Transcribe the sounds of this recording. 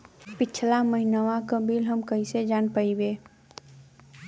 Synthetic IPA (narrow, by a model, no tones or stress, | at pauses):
pɪt͡ʃʰlaməɦinəwakəbilɦəmkəised͡ʒanpəibe